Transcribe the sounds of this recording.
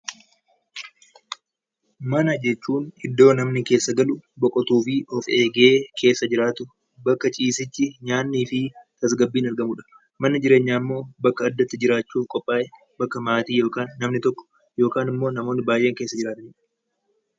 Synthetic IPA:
mɐnɐd͡ʒɛt͡ʃːuːnɪd̪ːo̞ːnɐmnɪke̞ːsːɐɡɐlʊbɔkʼɔt̪uːfɪʔɔfeːɡe̞ːkʰe̞ːsːɐd͡ʒɪɾaːt̪ʊ | bɐkːɐt͡ʃʼiːsɪt͡ʃːɪɲaːnːiːfɪt̪ɐsɡɐbːiːnɐɾɡɐmʊᶑɐ̥ | mɐnːɪd͡ʒɪɾe̞ːɲːaːɪmːo̞ːbɐkːɐːd̪ːɐt̪ːɪd͡ʒɪɾaːt͡ʃːuːfkʼɔpʼːaːʔɛ | bɐkːɐmaːt̪iːjo̞ːkaːnːɐmnɪt̪ɔkːɔ̥ | jo̞ːkaːnɪmːo̞ːnɐmo̞ːnɪbaːjʔe̞ːŋke̞ːsːɐd͡ʒɪɾaːt̪ɪɲɪᶑɐ̥

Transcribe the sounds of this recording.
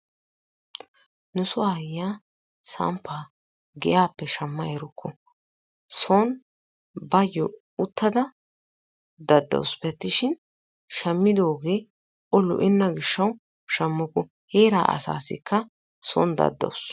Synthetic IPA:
nʊsʊwaːjaː | sɐ̰mpːaː | ɡɛjaːpːɛʃɐmːɐɛɾʊkʰːɔ | sɔn | bɐjːɔ | ʊt̪ːɐd̪ɐ | d̪ɐd̪ːɐ̰wspɛt̪ːɪʃɪn | ʃɐmːɪd̪o̞ːɡe̞ː | ɔlːʊ̰ʔɪnːɐɡɪʃːɐw | ʃɐmːʊkːɔ | heːɾa̰ːʔɐ̰sa̰ːsɪ̰kʰːɐ | sɔ̰nd̪ɐ̰d̪ːɐ̰ws

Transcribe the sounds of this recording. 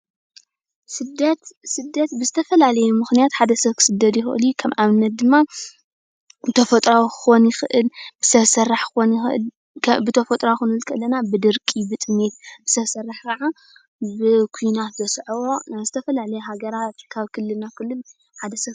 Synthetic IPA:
sɨd̪ɐt̪sɨd̪ːɐt̪bɨzɨt̪ʰɐfɐlalɐjumɨxnijat̪ħad̪ɐsɐβkʰɨ̥sɨd̪ːɐt̪jɪxɨʔɨ̰ljukʰɐmʔaβɨnːɐt̪̚d̪ɨmːa | t̪ʰɐfɐt̪ʼɾawkɨ̥xonjɪxɨʔɨlb̥ɨsɐβsɐrːaħɨxonlʰ | bɨt̪ʰɐfɐt̪ʼɾawxɨnɨlkʰɨʔɨlːɐnabɨd̪ɨɾkʼibɨt̪ʼɨnet̪bɨsɐβsɐrːaħkʰɐʕa | bɨkʰujnat̪bɐsʕwo̞nazɨt̪ʰɐfɐlalɐjuɦaɡɐɾat̪kʰaβkʰɨlːɨlnakʰɨlːɨl | ħad̪ɐsɐβ

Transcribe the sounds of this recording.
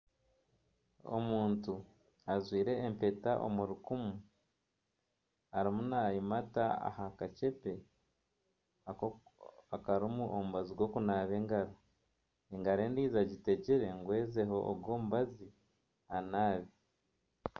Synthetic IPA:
o̞̰muːntu | azwiːɾe̞ːmpe̞taʔo̰muɾukumu | aɾimunaːjimataa̰hakace̞pe̞ | a | akaɾimuʔomuβaziɡwo̞kunaːβe̞ːŋɡaɾo | eŋɡaɾe̞ːndiːzaɟite̞ɟiɾe̞ŋɡwe̞ːze̞ɦo̞ʔːɡwo̞ːmuβazi | anaːβi

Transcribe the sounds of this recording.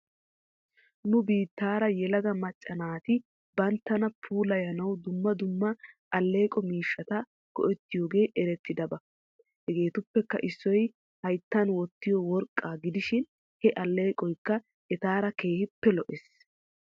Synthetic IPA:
nʊbiːt̪ːaːɾɐjɛlɐɡɐmɐt͡ʃʼːɐnaːt̪ɪ | bɐnt̪ːɐnɐpʰuːlɐjɐnɐwd̪ʊmːɐd̪ʊmːɐʔɐlːe̞ːkʼɔmiːʃːɐt̪ɐ | ɡ̥ɔ̰ʔɛt̪ːɪjoːɡe̞ːʔɛɾɛt̪ːɪd̪ɐbɐ | hɛɡe̞ːt̪ʊpːɛkːɐ̰ʔɪsːɔj | hɐjt̪ːɐnwɔt̪ːɪjɔwɔɾkʼːaːɡɪd̪ɪʃɪn | hɛʔɐlːe̞ːkʼɔjkːɐ | ɛt̪aːɾɐke̞ːhɪpːɛlɔʔɛs

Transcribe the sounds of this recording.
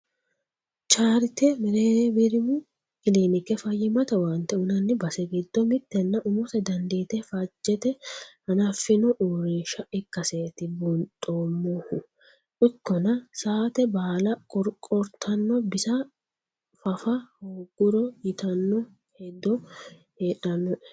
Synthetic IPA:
t͡ʃaːɾɪt̪ɛmɛɾeːbɪɾɪm | kɪleːnɪkːɛfɐjːɪmɐt̪ɐwɐnt̪ːɛʊnɐnːɪbɐsɛɡɪd̪̥ːɔmɪt̪ːɛnːɐʔʊmɔt̪ɛd̪ɐnd̪eːt̪ɛfɐd͡ʒːɛt̪ɛhɐnɐfːɪnɔʔuːɾiʃɐɪkːɐseːt̪ɪbʊnt̪ʼoːmːohʊ | ʔʊkːɔnɐsaːt̪ɛbaːlɐkʼɔɾkʼɔɾt̪ʰɐnːɔbɪsɐ | fɐfɐhoɡʊɾɔjɪt̪ɐnːɔ | hɛd̪ːɔ | heːᶑɐnːɔɛ̥

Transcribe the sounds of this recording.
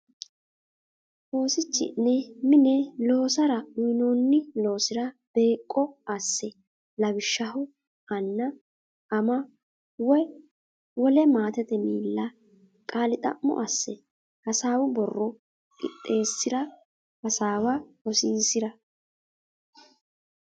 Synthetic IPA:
ʔoːsɪt͡ʃːɪ̰nːɛmɪnɛlo̞ːsɐɾɐʊjnoːnːɪlo̞ːsɪɾɐb̥e̞ːkʼːɔɐsːɛ | lɐbɪʃːɐhʊ | ɐnːɐ | ʔɐmɐ | wɔj | wɔlɛmaːt̪ɛt̪ɛmiːlːɐ | kʼaːlɪt̪ʼɐ̰ʔːɔ̰ʔɐsːɛ | hɐsaːwʊbɔrːɔ | kʼɪ̰t̪ʼːe̞ːsːɪɾɐ | hɐsaːwɐɔsiːsɪɾɐ

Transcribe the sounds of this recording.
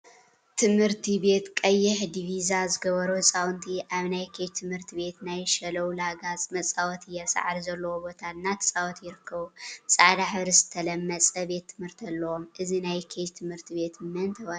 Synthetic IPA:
t̪ʰɨmhɨɾt̪ʰibe̞t̪kʼɐjːɪħd̪ivizazɨɡɐβɐɾusʼawnt̪ʰiʔaβnajkʰet͡ʃt̪ʰɨmhɨɾt̪ʰiβe̞t̪najʃɐlɐwlaɡat͡sʼmɐt͡sʼawɔt̪ʰɨjːɛsa̰ʕaɾizɐlːɐwobo̞t̪ʰanːat̪ʰɨ̥sʼawɔt̪jɪɾɨkʰːɐβusʼaʕd̪aħβɾɨsɨ̥t̪ʰːɐlɐmːɐt͡sʼɐbe̞t̪ʰːɨmhɨɾt̪ʰɐlːɐwomʔɨzinajkʰet͡ʃt̪ʰɨmhɨɾt̪ʰibe̞t̪mɨnt̪ʰɐwa

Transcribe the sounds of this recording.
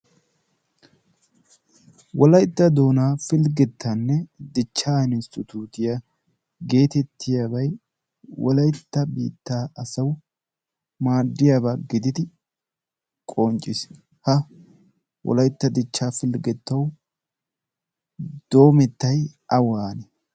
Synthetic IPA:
wɔlɐjt̪ːɐd̪o̞ːnaːfɪlɡɛt̪ʰːanːɛd̪ɪt͡ʃːaːɪnɪst̪ʊt̪ʰuːt̪ɪja | ɡe̞ːt̪ɛt̪ːɪjaːbɐj | wɔlɐjt̪ːɐbḭːt̪ːaːɐsɐw | maːd̪ːɪjaːbaːɡɪd̪ɪd̪ɪ | kʼont͡ʃʼɪs | hɐ | wɔ̰lɐjt̪ːɐd̪ɪt͡ʃːaːfɪlɡɛt̪ːɐw | d̪̥o̞ːmɛt̪ːɐjʔɐwaːnɛ

